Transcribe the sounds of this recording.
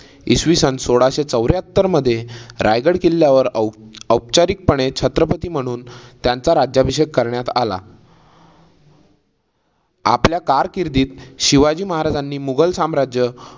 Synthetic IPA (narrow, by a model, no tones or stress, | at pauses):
ḭsʋisənsoɽaɕet͡səwɾjɦət̪ːəɾməd̪ʱːjeɾajɡəɽkilːjaʋəɾəwpt͡ɕaɾik̚pəɳet͡ɕʰət̪ɾəpət̪iːm̤əɽ̃uːnt̪jant͡saɾad͡ʑjabʱiɕekːəɾɳjat̪a̰la̰ | a̰pljakaɾkiɾd̪iːt̪ɕiʋad͡ʑiːməɦaɾad͡zanːiːmuɡəlsamɾad͡ʑjə